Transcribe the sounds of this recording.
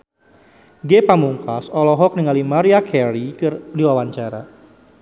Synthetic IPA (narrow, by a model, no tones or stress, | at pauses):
ɡepamuŋkasɔlɔɦɔk̚niŋalimaɾiakʰɛɾikrdiwawaɲt͡ʃaɾa̰